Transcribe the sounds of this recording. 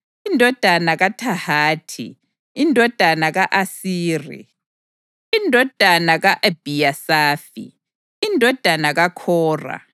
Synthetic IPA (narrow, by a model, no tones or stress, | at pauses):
indʱɔd̥ʱanaɣatʰahaːtʰḭː | ndʱɔd̥ʱanaɣaʔasiːrḭ | indʱɔd̥ʱanaɣaʔab̥ʱijasaːfḭ | indʱɔd̥ʱanaɣakʰɔːra̰